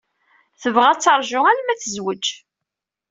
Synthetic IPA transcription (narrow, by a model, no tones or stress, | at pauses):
θəvʁæt͡sːɑɾˤʒʊælmæθəzwəd͡ʒ